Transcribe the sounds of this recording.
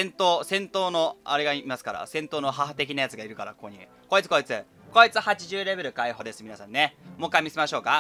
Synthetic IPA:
ẽnt̪oːsẽ̞nt̪o̞ːno̞a̰ɾeɡaimasɨ̥kaɾa̰sẽ̞nt̪o̞ːnoɦaɦat̪e̞kʲinajat͡sɨɡaiɾɯ̟kaɾa̰kokoɲ̟ḭ | ko̞it͡sɨ̥ko̞it͡sɨ | ko̞it͡sɨhat͡ɕiʑɨːɾe̞be̞ɾɯ̟kaiɦo̞d̪e̞sɨmʲinasãnːe̞mo̞kːaimʲisemaɕo̞ːka

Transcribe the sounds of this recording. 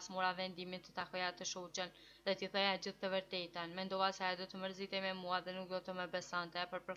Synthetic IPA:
smuɾavɛnd̪imit̪ət̪akɔjat̪əʃut͡ɕən | ðɛt̪iθɛjad͡ʑiθt̪əvəɾt̪ɛt̪anmɛnd̪ɔasɛad̪ɔt̪əməɾzit̪ɛjmɛmuaðɛnuk̚d̪ɔt̪əməbɛsant̪ɛpəɾpəɾ

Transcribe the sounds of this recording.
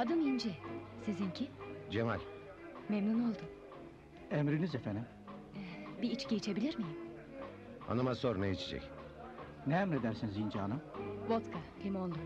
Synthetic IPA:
ad̪ɯnind͡ʒɛsizincʰid͡ʒemalʲ | memnuno̞lˠd̪ʊ | emɾinizefænd̪im | biit͡ʃɟeit͡ʃʰe̞bilʲiɾmijim | a̰namazsoɾnejit͡ʃʰed͡ʒɛ̰c | neæmɾed̪æɾsinizind͡ʒaːnɯbot̪kʰapʰimond̪u

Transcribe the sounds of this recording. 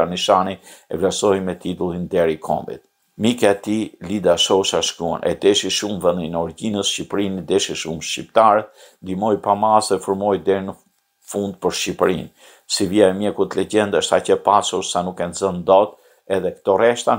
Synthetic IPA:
aniʃaniɛ̰vlɛɾsɔjmɛt̪it̪ulˠind̪ɛɾikʰɔ̰mbḭt̪̚ | mikaɛt̪ilid̪aʃɔʃaʃkɾua̰nʔɛ̰d̪ɛʃiʃumvɛnd̪inɔɾɟinəsʃcipɾinid̪ɛʃiʃumʃcip̚t̪aɾɛt̪ | nd̪imɔjpamasɛfuɾmɔjd̪ɛɾinə | fund̪̚pəɾʃcipɾḭn | siviaɛmjɛkut̪lɛɟɛnd̪ɛʃt̪acəpasuɾsanukːɛnzənd̪ɔt̪ | ɛðɛkt̪ɔrɛʃt̪a

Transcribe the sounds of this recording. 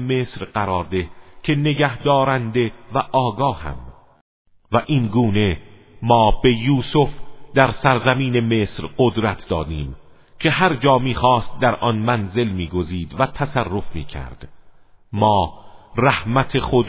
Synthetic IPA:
me̞ːsɾɢæɾɒːɾd̪e̞cʰe̞ne̞ɡæhd̪ɒːɾænd̪e̞væʔɒːɡɒːhæ̰m | væʔinɡuːne̞ | mɒːbe̞juːsofd̪æɾsæɾzæmiːne̞me̞ːsɾɢod̪ɾæt̪ʰd̪ɒ̰ːd̪iːm | kʰe̞hæɾd͡ʒɒːmiːxɒːst̪̚d̪æɾʔɒːnmænze̞lmiːɡo̞ziːd̪væt̪ʰæsærːo̞fmḭːcʰæ̰ɾd̪̥mɒːræhmæt̪ʰexod̪

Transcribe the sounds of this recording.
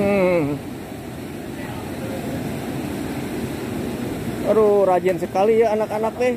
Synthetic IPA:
ɾuɾad͡ʒansəkalijaːnakanak̚t̪ɛ

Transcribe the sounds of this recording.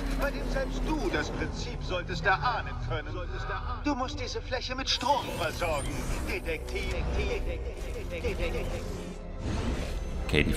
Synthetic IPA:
b̥aɪdeːmzɛlpst̚d̥uːdaspʁ̥ɪnt͡siːpz̥ɔltəst̚aɐʔaːnənkʰœnə | d̥uːmʊst̚d̥iːzəflɛçəmɪtʃtʁ̥oːmfɛɐzɔɐɡŋ̩d̥etɛk̚tʰiːk̚tʰiː | kʰḛːdi

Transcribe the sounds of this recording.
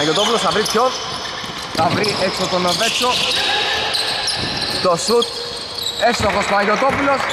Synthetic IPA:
ʝot̪o̞pulosθɐvɾit̪ço | θɐvɾiʔeksot̪onove̞t͡sːo | t̪osut̪̚ | efst̪oxost̪oɐʝot̪o̞pulo̞s

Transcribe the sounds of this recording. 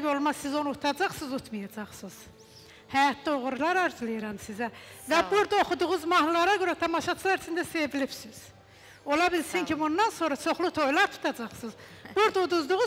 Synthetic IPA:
bo̞lˠmɑsezo̞nut̪ʰɑd͡ʒɑχsɯzut̪ʰmɑjɑd͡ʒɑχsɯz̥ | hæjɑt̪ʰlo̞ʁuɾlˠɑɾɑɾd͡ʒɯlˠɯjɾɑmsizævæbuɾd̪ao̞χud̪uʁuzmɑhlˠɑɾɑɡøɾæt̪ʰɑmɑʃɑt͡ʃʰɯlˠɑɾsind̪æsevilibsiz̥ | o̞lˠɑbilsincʰibund̪ɑnso̞nɾɑt͡ʃʰo̞χlˠut̪ʰo̞jlˠɑɾt̪ʰu̥t̪ʰɑd͡ʒɑχsɯz | b̥uɾd̪aud̪uzd̪uʁuz

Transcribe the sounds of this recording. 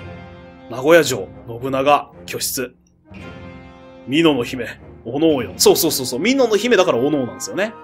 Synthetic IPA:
naɡo̞jaʑo̞̰ːno̞bɯ̟naɡakʲo̞ɕi̥t͡sɨ | mʲino̞no̞çime̞ono̞ːjoso̞ːso̞ːsoːsoːmʲino̞noçime̞d̪akaɾaono̞ːnãnd̪esɨjo̞ne

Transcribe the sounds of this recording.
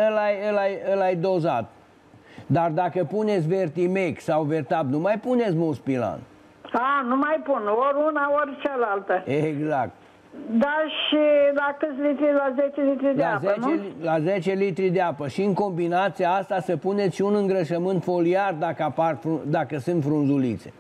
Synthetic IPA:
ɨlajɨlajɨlajd̪o̞za̰t̪ | d̪ard̪akəpune̞t̪sʲve̞rt̪ime̞ksawvert̪abnumajpune̞t̪s̬ʲmulspila̰n | anumajpunoɾʲunaorʲt͡ʃealalt̪əeɡzak̚t̪ | d̪aʃilakɨt̪sʲlit̪ɾilazet͡ʃelit̪ɾidleazənt͡ʃellazet͡ʃe̞lit̪ɾid̪eapəʃiɨŋko̞mbinat̪siaast̪asəpune̞t̪sʃiunɨŋɡɾəʃəmɨnt̪fo̞liard̪akəaparfud̪akəsɨnt̪fɾunzulit̪se̞̰

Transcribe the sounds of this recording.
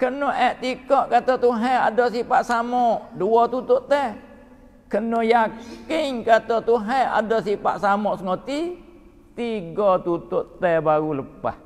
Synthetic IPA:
kənoʔɛʔt̪ikɔʔkat̪ot̪uɦɛadosipaʔsamɔʔduot̪ut̪ʊʔt̪ɛ | kənojakɪŋkat̪ot̪uɦɛa̰dɔsipa̰ʔsamɔʔsəŋot̪i | t̪iɡot̪ut̪ʊʔt̪ɛbaɾuləpa̰h

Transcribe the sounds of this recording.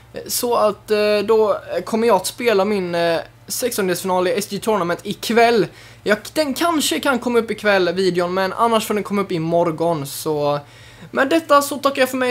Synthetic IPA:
sɔat̪d̪ɔkʰɔmːəjɑːat̪speːlamɪn | sɛksɔnd̪esfɪnɑːlɪɛsd̪ɪt̪ʰʊɾɳamɛnt̪ɪkʰvɛlː | jɑd̪̥ɛnkʰanʂəkʰankʰɔmːaɵpːɪkʰvɛlːviːd̪ɪʊnmɛnʔa̰nːaʂfɔd̪ɛnkʰɔmːaɵpːɪmɔɾɡɔnsɔ | mɛnd̪ɛt̪ːasɔt̪ʰakːaɾjɑfœɾmɛ

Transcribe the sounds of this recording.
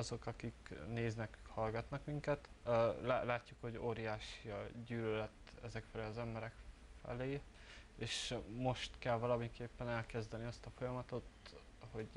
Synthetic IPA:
ɒzo̞kɒkikneːznɛkkhɒlɡɒt̪nɒkmiŋkɛt̪lalaːcːukho̞ɟoːɾijaːʃiɒɟyːlølɛt̪ːɛzɛkfɛleːɒzɛmbɛɾɛkfɛ̰leː | eːʃmo̞ʃt̪kɛlvɒlɒmiŋkeːpːɛnɛlkɛzd̪ɛniɒst̪ɒfo̞jɒmɒt̪o̞t̪ | ho̞ɟ

